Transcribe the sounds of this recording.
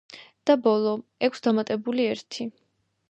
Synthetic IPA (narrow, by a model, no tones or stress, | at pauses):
d̪̥abɔlˠɔɛkʷʰsd̪amat̪ʼɛbuliɛɾt̪ʰi